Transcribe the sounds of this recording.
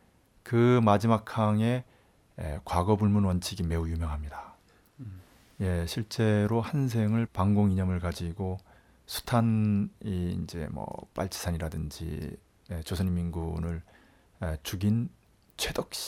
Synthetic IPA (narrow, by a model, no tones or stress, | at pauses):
kɯmad͡ʑimakʰaŋe̞̰ | kwaɡʌbuɭmunwʌnt͡ɕʰiɡime̞ujumjʌŋɦamɲida | je̞ɕʰiɭt͡ɕ͈e̞ɾohans̬ʰe̞ŋɯɭpaŋɡoŋiɲʌmɯɭkad͡ʑiɡo | sʰu̥tʰaniind͡ʑe̞̰mʌ̰p͈a̰ɭt͡ɕ͈ʰi̥sʰaɲiɾadɯnd͡ʑḭ | et͡ɕosʰʌnɲimːinɡunɯɭ | et͡ɕuɡin | t͡ɕʰwedʌk̚ɕ͈i̥